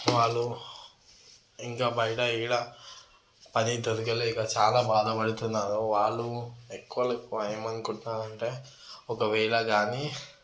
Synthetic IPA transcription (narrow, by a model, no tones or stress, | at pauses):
ʋaːɭːu | iŋkaːbɐjɐʈɐiːɭɐ | pɐnit̪ɐɾukɐlɛːkɐt͡ʃaːlaːbaːd̪ʱɐpɐɽut̪unːaːɾoʋaːɭːuekːuʋɐlɐkuɐjɐmɐnkuɳʈːaːɾɐɳʈe̞ː | ɔkɐʋɛːɭɐɡaːni